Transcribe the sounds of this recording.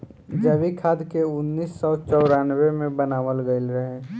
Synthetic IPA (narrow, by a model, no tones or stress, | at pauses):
d͡ʒəʋikʰaːd̪keʊnːiːsːɔt͡ʃɔʊɾanʋemẽbənaːʋəlɡəɪlɾəɦẽ